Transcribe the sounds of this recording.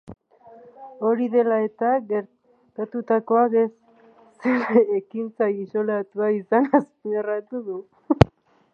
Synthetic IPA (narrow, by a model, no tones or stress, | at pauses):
o̞ɾiðe̞lae̞t̪aɡeɾ | t̪at̪ut̪ako̞akesː | eɾaekint͡sajisolat̪uaisanasnarat̪uðu